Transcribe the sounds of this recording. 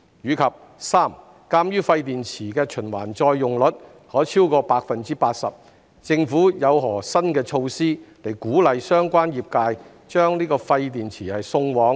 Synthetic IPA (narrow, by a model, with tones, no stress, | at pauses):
ɥyː˨˧kʰɐ˨p̚ | saː˥˩m | kaː˧mjyː˥fɐ˧jt̪iː˨nt͡sʰiː˨˩kɛː˧t͡ʃʰɵ˨˩nwa̰ː˨˩nt͡sɔː˧jːʊ˨ŋlɵ˨˥t̚ | hɔː˨˥t͡sʰiː˥wkɔː˧paː˧k̚fɐ˨nt͡siː˥paː˧t̚sɐ˨p̚ | t͡sɪ˧ŋfuː˨˥jɐ˨˧wɦɔː˨˩sɐ˥nkɛː˧t͡ʃʰo˧wsiː˥le˨˩jkuː˨˥lɐ˨jsœː˥ŋkʷwaː˥njiː˨p̚kaː˧j | t͡ʃœː˥ŋliː˥kɔː˧fɐ˧jt̪̬iː˨˩nt͡sʰiː˨˩hɐ˨jsʊ˧ŋwɔː˨˥ŋ